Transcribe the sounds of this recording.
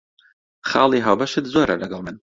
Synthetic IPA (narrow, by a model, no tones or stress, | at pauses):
χɑːlˠiɦawbɐʃɨt̪zoːɾɐ̰lɐɡɑlˠmɨn